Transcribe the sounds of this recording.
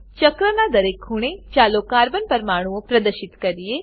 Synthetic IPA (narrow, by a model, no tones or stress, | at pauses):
t͡ʃəkɾənad̪ɐɾeːkʰːʊɽ̃ẽt͡ʃaːlokaːɾbənpɐɾmaːɽ̃uõpɾɐd̪əɾʃɪt̪kɐɾijeː